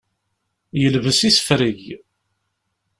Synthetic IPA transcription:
jəlvəsisə̥fɾiʝ

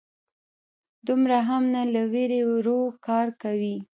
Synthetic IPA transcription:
d̪umɾaɦamnalaweɾewɾokɑɾkawi

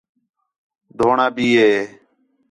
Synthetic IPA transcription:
d̪ʱoːɳaːbiːɦeː

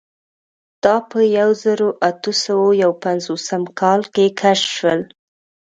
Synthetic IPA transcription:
d̪̥ɑpəjawzəɾoʔat̪əsawojawpanzosəmkʰɑlkekʰaʃʃwəl

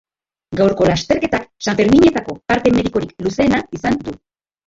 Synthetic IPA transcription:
ɡawɾko̞last̪e̞ɾke̞t̪aksaɱfe̞ɾmiɲe̞t̪ako̞paɾt̪e̞me̞ðiko̞ɾikluse̞ːnaisand̪u

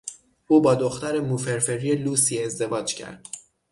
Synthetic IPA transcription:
ʔuːbɒːd̪oxt̪æɾe̞muːfe̞ɾfe̞ɾieluːsiezd̪e̞vɒːd͡ʒcʰæ̰ɾd̪̥

